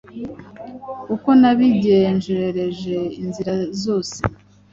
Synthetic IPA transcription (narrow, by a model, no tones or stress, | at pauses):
uko̞naβiɟenʒeɾeɾe̞ʒe̞inziɾazo̞ːse